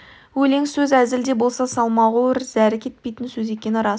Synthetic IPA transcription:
wɵle̞ŋsɵzæzɪld̪e̞bo̞lˠsɑsɑlˠmɑʁəwɪɾzæɾɪkʲʰet̪̚pe̞jt̪ənsɵze̞kʲe̞nɪɾɑ

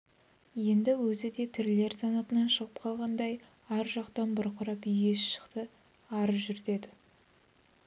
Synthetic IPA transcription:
je̞nd̪ɪwɵzɪd̪e̞t̪ʰɪɾle̞ɾzɑnɑt̪ənɑnʃəʁəp̚qʰɑlˠʁɑnd̪ɑj | æɾʒɑqt̪ɑnbʊɾqʰʊɾɑpʏjɡʲe̞sʃə̥qt̪ə | ɑɾəzʒʏɾt̪e̞d̪ɪ

